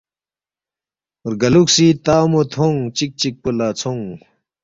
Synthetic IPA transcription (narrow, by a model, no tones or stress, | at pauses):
rɡɐluk̚sit̪aːmot̪ʰoŋt͡ɕik̚t͡ɕik̚pəlat͡sʰoŋ